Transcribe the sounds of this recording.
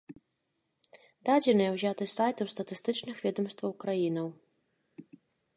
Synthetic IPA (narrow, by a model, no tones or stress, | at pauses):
d̪ad͡zʲɛnɨjɛwzʲat̪ɨsajt̪ɨwst̪ɐt̪ɨst̪ɨt͡ʂnɨxvʲɛd̪ɐmst̪vɐwkɾajinɐw